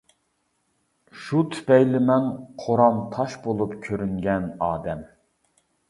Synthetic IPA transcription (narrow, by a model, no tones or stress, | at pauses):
ʃut̪ʰy̥pɛjlɪmɛnqʰoɾɑmt̪ʰɑʃbolˠupkʲʰøɾyŋɡʲɛnɑːd̪ɛm